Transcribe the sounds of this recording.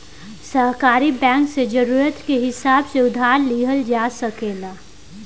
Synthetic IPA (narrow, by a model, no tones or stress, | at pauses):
səɦkaːɾibɛ̃ːŋksed͡ʒɐɾuːɾət̪keɦɪsaːbseʊd̪ʱaːɾliɦəld͡ʒaːsəkeːlaː